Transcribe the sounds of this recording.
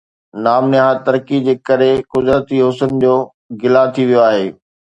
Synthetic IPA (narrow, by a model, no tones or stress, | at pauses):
naːmnɪɦat̪ɐɾkid͡ʑeːkɐɾekʊzɾət̪iɦʊsənd͡ʑoː | ɡɪlat̪ʰiʋijoaːɦeː